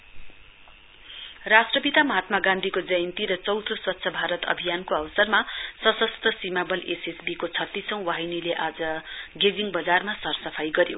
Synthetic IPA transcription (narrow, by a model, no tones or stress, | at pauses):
rasʈrʌpit̪amʌɦat̪maɡãnd̪ʱikod͡zʌjʌnt̪iɾʌt͡sʌwt̪ʰoswʌt̪ːsʰʌbʱaɾʌt̪ʌ̰bʱijankoʌwʌsʌrmasʌsʌst̪ʌsimabʌlʔesesbikot͡sʰʌt̪ːisʌ̃w̃waɦinileʔad͡zʌɡed͡ziŋbʌd͡zarmasʌrsʌpʰajɡʌɾjo̰